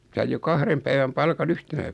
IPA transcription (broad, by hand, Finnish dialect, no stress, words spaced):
sɑij jo kɑhrem pæiʋæm pɑlkɑn yhtenæ